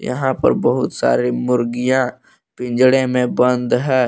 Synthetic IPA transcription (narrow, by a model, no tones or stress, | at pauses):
jɐ̰ɦãpɐ̰ɾbɐɦʊt̪sa̰ːɾimʊɾɡijã | pɪ̃nd͡ʒɽẽmẽbə̃nd̪ɦɛː